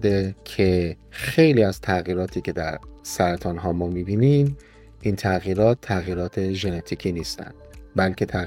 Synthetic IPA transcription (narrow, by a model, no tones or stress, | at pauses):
d̪ecʰe̞ | xe̞jliːæzt̪ʰæɣiːɾɒːt̪ʰiːkcʰe̞d̪æɾsæɾæt̪ʰɒːnɦɒːmɒːmiːbiːnim | ʔiːnt̪ʰæɣiːɾɒːt̪ʰːæɣiːɾɒːt̪ʰe̞ʒe̞net̪ʰiːcʰiːniːst̪æ̰nd̪̥bælcʰe̞t̪ʰæ